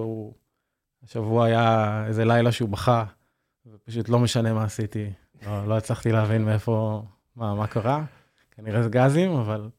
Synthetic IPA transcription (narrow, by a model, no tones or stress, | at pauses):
u | aʃavuaːjaejzelajlaʃeubaχa | vepaʃut̪lo̞meʃane̞maːsit̪i | loloet͡slaχt̪ileɦavinmeefo̞ | mamakaʁa | kaniʁezeɡazimaval